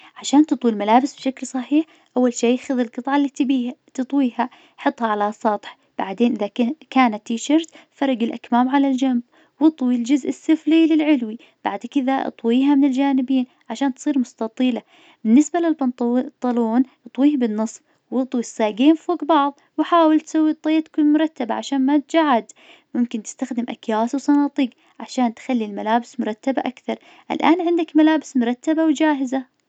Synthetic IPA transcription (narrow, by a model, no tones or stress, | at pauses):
ʕaʃaːnt̪ɨt̪ˤwilmalaːbɪsbʃaklsˤɑħiːħ | ʔawːalʃiːaxʊðɪlqɨt̪ˤʕɑlːiːt̪biːt̪ɨt̪ˤwiːha | ħɨt̪ˤːhɑʕalasˤɑt̪ˤħ | b̥aʕd̪eːnʔɪðakaːnat̪ːiːʃɑɾt̪fɑɾˤɑɡɪlʔakmaːmʕalald͡ʒamb̚ | wɨt̪ˤwild͡ʒʊzʔɪsːɪflilɪlʕɪlwi | b̥aʕd̪kɪðaʔɨ̰t̪ˤwiːɦamɪnɪld͡ʒaːnɪbiːn | ʕaʃaːnt̪sˤiːɾmʊst̪ɑt̪ˤiːla | bɪnːɪsbalɪlbɑt̪ˤt̪ˤːɑloːnʔɨt̪ˤwiːhbɪnːɨsˤf | wɨt̪ˤwisːaːɡeːmfoːɡbɑʕðˤ | wħaːwɪlt̪sawːit̪ˤːɑjt̪kunmʊɾˤɑt̪ːabaʕaʃaːnmat̪d͡ʒaʕad̪mʊmkɪnt̪ɪ̥st̪axd̪ɪmʔa̰kjaːswsˤɑnɑːt̪ˤiːɡ | ʕaʃaːnt̪xalːilmalaːbɪsmʊɾˤɑt̪ːaba̰ʔakθɑɾˤ | ʔɪ̰lʔaːnʕɪnd̪akmalaːbɪsmʊɾˤɑt̪ːabawd͡ʒaːɦɪza